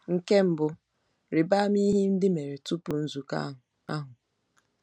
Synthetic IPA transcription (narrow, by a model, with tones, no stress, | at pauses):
ŋ̩˨ke˦m̩˨bʊ˨ | ɾɪ˨ba˦m˦i˦ɦi˦n̩˦dɪ˦me˨ɾe˨tu˦pu˨n̩˦zu˨ka̰˦˨ | a̰˦ɦʊ˨